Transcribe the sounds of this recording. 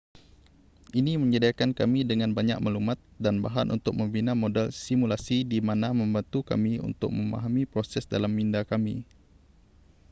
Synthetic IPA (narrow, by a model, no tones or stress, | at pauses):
ʔinimə̃ɲədiakankamidəŋanbaɲak̚malumat̪̚danbaɦanʔṵnt̪ʊk̚mə̃mbinamodɛlsimulasidimanamə̃mbant̪uka̰miṵnt̪ʊk̚mə̃ma̰ɦamipɾosɛsdalamːindakamḭ